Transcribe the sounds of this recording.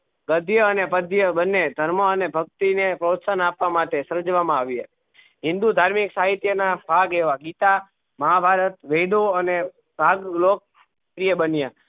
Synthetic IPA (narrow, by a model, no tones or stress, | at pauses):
ɡəd̪ʱjəənepəd̪ʱjəbənːed̪ʱəɾməənebʱək̚t̪inepɾot̪sənapʋamaʈesəɾd͡ʒʋamãaʋie | ɦɪ̃nd̪ud̪ʱaɾmiksaɦit̪jənabʱaɡeʋaɡit̪a | məɦabʱaɾət̪ʋed̪oəne | bʱaɡlok̚ | pɾijebənija